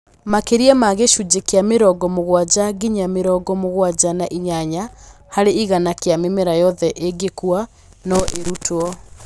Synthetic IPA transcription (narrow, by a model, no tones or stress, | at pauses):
makeɾiɛmaɣeʃud͡ʑekeameɾɔɡɔmoɣwad͡ʑaɡiɲameɾɔɡɔmoɣwad͡ʑanaʔiɲaɲa | haɾeiɣanakeamemeɾajɔðɛʔeɡekua | nɔʔeɾutʰwɔ